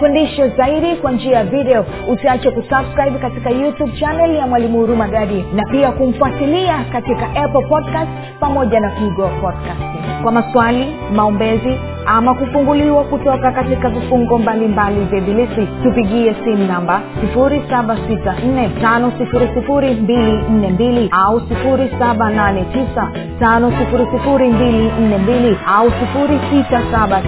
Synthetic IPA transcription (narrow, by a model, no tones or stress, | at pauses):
fundiʃɔzaiɗikwand͡ʒiajaviɗɛɔ | usiat͡ʃɛkusabskɾaibkatikajutub̚t͡ʃanɛljamwalimuhuɾumaɡaɾinapiakum̩fuatiliakatikaʔɛpɔl̩pɔdkast | pamɔʄanakuiɡɔapɔdkast | kwamaswali | maɔmbɛzi | amakufuŋɡuliwakutɔkakatikavifuŋɡɔmbalimbalivjɛɓilisitupiɠiɛsim̩nambasifuɾisaɓasitan̩nɛtanɔsifuɾisifuɾimbilin̩nɛmbiliausifuɾisaɓananɛtisa | tanɔsifuɾisifuɾimbilin̩nɛmbiliausifuɾisitasaɓa